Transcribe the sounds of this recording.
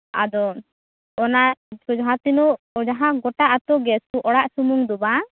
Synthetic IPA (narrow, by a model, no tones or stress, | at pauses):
a̰d̪ɔː | nasɔd͡ʒɔɦãt̪inɔ | d͡ʒaɦãɡɔʈaʔat̪ɔɡɛskuʔɔɽaʔsumuŋd̪ɔba